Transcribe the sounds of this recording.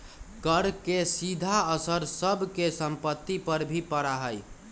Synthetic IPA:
kəɽkesid̪ʱaəsəɾsəbʱkesəmpət̪ːipəɾbʱipəɾaɦəj

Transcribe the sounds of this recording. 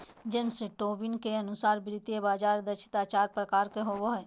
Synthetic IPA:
d͡ʒɪmseʈoːbɪnkeɐnʊsaːɾbɾɪt̪jebaːd͡ʒaːɾd̪əʃʰɪ̥t̪aːt͡ʃaːɾpɾəkaːɾkeɦoːboɦɛː

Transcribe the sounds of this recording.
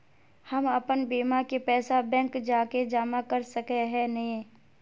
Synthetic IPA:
hɐmɐpənbiːmakepɛːsabɛ̃ːŋkd͡ʒaːked͡ʒaːmakɐɾsɐkeɦɛnɐɦĩ

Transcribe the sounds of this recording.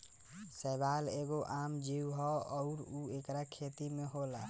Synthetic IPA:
sɛbaleɡoʔamd͡ʒiwɦɔɔʊɾuekɾakʰet̪imeɦola

